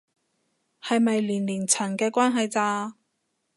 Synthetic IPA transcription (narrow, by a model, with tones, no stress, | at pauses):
hɐ˨jmɐ˨jliː˨˩nliː˨˩nt͡sʰɐ˨˩nkɛː˧kʷwʷaː˥nɦɐ˨jt͡saː˧